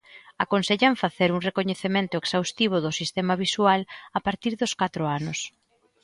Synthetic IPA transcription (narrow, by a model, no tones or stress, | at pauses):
akonseʎaɱfaθeɾuŋrekoɲeθemẽnt̪ʊeksawst̪iβ̞ʊðʊsist̪emaβ̞iswalapaɾt̪iɾðʊskat̪ɾoanʊs